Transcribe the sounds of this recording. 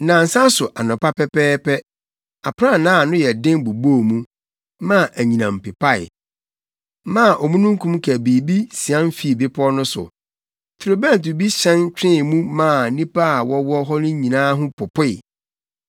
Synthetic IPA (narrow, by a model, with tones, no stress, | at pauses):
nã˨n̩˨sã˦sʊ˨ʔa˨nʊ̃˨pa˦pɛ˦pɛː˦pɛ˦ | a˨pʰɾa˦˨nãː˦˨nʊ̃˦jɛ˨dɪ̃˦ŋbu˨boː˦˨mũ˦ | mã˦˨ʔæ˨ɲĩ˨nã˨m̩˨pɪ˨pʰa˦ɪ̰˨ | mã˦˨ʔɔ˨mũ˦nũ˦ŋ̩˦kʰũ˦mkʰæ˨bi˨bi˦si˨ã˦n˦fi˨˦˨bɪ˦pʰɔ˦nʊ̃˦sʊ̰˨ | tʰɾo˨bã˦˨tu˨bi˦ɕɛ̃˦nt͡ɕᶣɪ̃˦˨mũ˦mã˦˨nĩ˦pʰa˦a˨wɔ˦wɔ˦ɦɔ˦nʊ̃˦ɲĩ˨nãː˦ɦʊ̃˦pʰʊ˨pʰʊ˦ɪ˨